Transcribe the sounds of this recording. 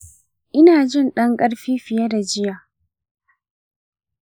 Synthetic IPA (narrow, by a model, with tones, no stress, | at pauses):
ʔɪ˦naː˨d͡ʒɪ˦˨nɗɐ˦ŋkʼɐ˦ɽɸiː˦ɸɪ˨ja˦da˨d͡ʒɪ˦jaː˨